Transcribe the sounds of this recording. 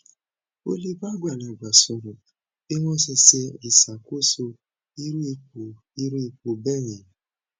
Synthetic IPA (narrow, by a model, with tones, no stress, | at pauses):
o˦li˦ba˦ɡʷa˦˨la˨ɡ͡bʷa˨so˨ɾʊ˨ | e˦ŋɔ̃˦se˧se˧ɾi˨sa˨ko˦so˧ | i˦ɾu˦i˧˦˨ | i˦ɾu˦i˨ku˨bɛ˦ɲẽ˨